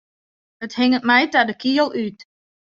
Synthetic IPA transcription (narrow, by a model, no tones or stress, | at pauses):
əthɪŋətmɛjtadəkʰiəlˠyt